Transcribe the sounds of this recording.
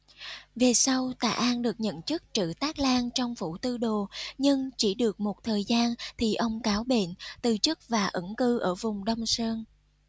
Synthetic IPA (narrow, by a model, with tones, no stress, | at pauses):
ve˨˩sa˧wt̪a̰ː˧˩ʔaː˧nɗɨ˨˩ək̚ɲə̰˧˨nt͡ɕɨ˦˥k̚t͡ɕɨ̰˧˨t̪aː˦˥k̚laː˧nt͡ɕɔ˧wŋ͡mfṵ˧˩t̪ɨ˧ɗo˨˩ɲɨ˧ŋt͡ɕi˧˩ɗɨ˨˩ək̚mo˨˩t̚t̪ʰəː˨˩jzaː˧nt̪ʰi˨˩ʔə˧wŋ͡mkaː˨˦wɓḛ˧˨nt̪ɨ˨˩t͡ɕɨ˦˥k̚vaː˨˩ʔɨ˧˩ŋkɨ˧ʔəː˧˩vʊ˨˩ŋ͡mɗə˧wŋ͡msəː˧n